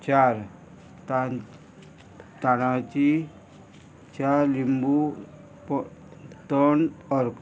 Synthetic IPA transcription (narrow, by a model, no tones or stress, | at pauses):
t͡ʃaɾ | t̪ | t̪anat͡ʃi | t͡ʃalimbu | pɔt̪ɔnɔɾk